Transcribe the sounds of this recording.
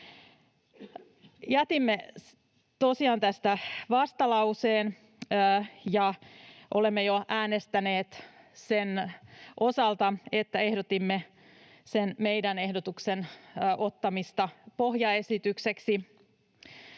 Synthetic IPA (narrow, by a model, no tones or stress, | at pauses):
jæt̪imːe | t̪osiɑːnt̪æst̪æʋɑst̪ɑlɑuseːnː | jɑʔolemːejoʔæːnest̪æneːt̪ | senʔosɑlt̪ɑet̪ːæehdot̪imːe | senmeidænehdot̪uksenːʔot̪ːɑmist̪ɑpohjɑesit̪ykseksi